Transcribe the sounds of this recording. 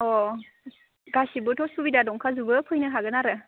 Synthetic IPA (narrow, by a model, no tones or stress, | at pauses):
ɔ | ɡasibɯtʰɔsubidadɔŋkʰazubɯpʰɯjnɯɦaɡɯnaɾɯ